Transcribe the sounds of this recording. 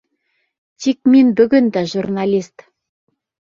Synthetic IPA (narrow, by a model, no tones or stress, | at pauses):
t̪ʲik̚mʲenʲbɵɡɘ̆nd̪æʒurnalʲist̪